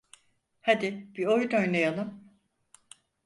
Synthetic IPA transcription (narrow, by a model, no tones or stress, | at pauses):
had̪ɪb̥iojd̪øjnʲejalˠɯm